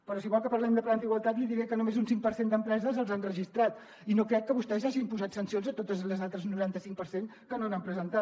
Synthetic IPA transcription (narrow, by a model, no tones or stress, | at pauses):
pəɾɔsiβɔlˠkəpəɾlɛmd̪əpland̪iɣwəlˠt̪at̪liðiɾekənumezunsiŋk̚pəɾsend̪əmpɾɛzəzəlˠzanrəʒist̪ɾat̪ | inokɾɛkːəβust̪ɛzaʒimpuzat̪sənsionzət̪ot̪əzləzalˠt̪ɾəznuɾant̪əsiŋk̚pəɾsen | kənonampɾəzənt̪at̪̚